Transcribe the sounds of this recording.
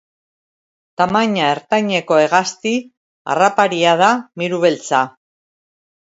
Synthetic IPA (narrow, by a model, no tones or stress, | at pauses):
t̪amaɲae̞ɾt̪ajɲe̞ko̞e̞ɣast̪i | a̰rapaɾiað̞amiɾuβe̞lt͡sa